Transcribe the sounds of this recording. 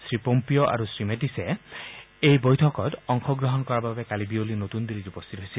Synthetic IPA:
sɾipompijɔʔa̰ɾusɾimetise | ejbɔjtʰɔkɔtɔŋkʰɔɡɾɔɦɔnkɔɾababekalibiolinot̪und̪iɾiɾupɔst̪ʰit̪ɔɦosil

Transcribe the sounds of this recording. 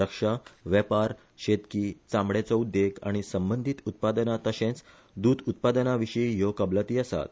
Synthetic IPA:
əkʂaʋɛpaɾ | ɕet̪kiːt͡sãmɽet͡sɔud̪ːeɡa̰ɽ̃isəmbənd̪ʱit̪ut̪̚pad̪nat̪əsẽt͡s | d̪uːd̪ut̪̚pad̪naʋiʂiijokəblət̪iːəsa̰t̪̚

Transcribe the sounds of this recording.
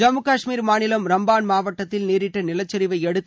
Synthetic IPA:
d͡ʒɐmːɯkaːʂmiːɾmaːnɪlɐmɾɐmbaːnmaːʋɐʈːɐt̪ːɪlneːɾɪʈːɐnɪlɐt͡ʃːɐɾɪʋɐɪɛɽɯt̪ː

